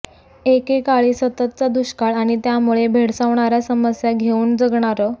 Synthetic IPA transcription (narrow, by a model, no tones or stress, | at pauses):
ekekaɭiːsət̪ət̪̚t͡sad̪uɕkaɭaɽ̃it̪jamuɭebʱeɽsaʋɳaɾjasəməsjaɡʱeuːnd͡zəɡɳaɾə